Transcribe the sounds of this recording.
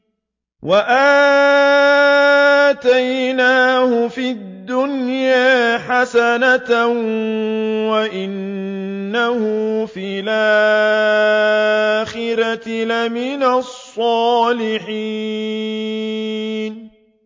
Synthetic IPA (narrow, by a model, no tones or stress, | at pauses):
waʔaː | t̪ajnaːhʊfid̪ːʊnjaːħasanat̪ | waʔɪnː | ahʊfilʔa | xɪɾatlamɪnasˤːɑːlɪħi | n